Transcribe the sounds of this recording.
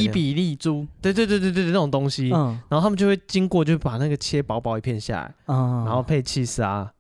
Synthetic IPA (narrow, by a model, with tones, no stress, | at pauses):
i˥˩pi˨˩li˥˩t͡su˥˦t̪we˥˧ɪwt̪̬e˥˧t̪̬e˥˧t̪̬e˥˧˥na˥˩ʈ͡ʂo˨˩ŋ˩t̪o˦˥ŋɕi˦naa˨˦o˥˨˩t̪ʰmə˨t͡ɕjo˥˧we˥˩t͡ɕi˦ŋkwɔ˥˨t͡ɕjo˥˧ʊxe˥˩pa˨˩na˥˨ɡə˩t͡ɕʰjɛ˦pɑ˧˦ʊpɑ˨˥ʊi˨˩pʰjɛ˥˧nɕja̰˨˩la̰˨˧˦ɪ˧a˧˦nxo˥˧ʊpʰe˥˧ɪt͡ɕʰi˥˧˩sa˦